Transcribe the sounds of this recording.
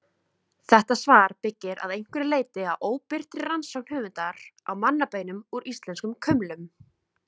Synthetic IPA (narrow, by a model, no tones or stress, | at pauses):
θɛht̪asvaːɾ̥pɪcːɪɾa̰ðejŋ̥kvʏɾɪleːjt̪ɪawʔoːwpɪr̥t̪ɾɪɾansawk̚n̥hœːvʏnt̪aɾawmanːapeːjnʏmuɾist̪lɛnskʏmkʰœmlʏm